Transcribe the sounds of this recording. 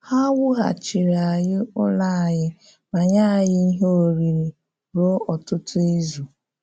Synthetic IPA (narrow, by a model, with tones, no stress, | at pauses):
ha˦wʊ˦ɦa̰˨t͡ʃi˨ɾa˨jɪ˦ʊ˦la˦˨jɪ˦ | ma˨ɲa˦˨jɪ˦i˦ɦo˦˨ɾi˨ɾi˨ | ɾo˦ɔ˨tʊ˦tʊ˦e˦zu˨